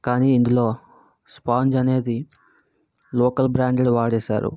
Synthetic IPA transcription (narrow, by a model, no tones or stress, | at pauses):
kaːniːind̪ulo̞ː | spaːɲd͡ʒɐne̞ːd̪i | loːkɐlbɾaːɳɖeɽʋaːɽɛːʃa̰ːɾṵ